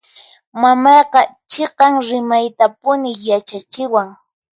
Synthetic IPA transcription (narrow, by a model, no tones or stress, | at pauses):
mamɑjqɑt͡ʃeqɑŋɾɪmajt̪apʊnɪjat͡ʃat͡ʃɪwaŋ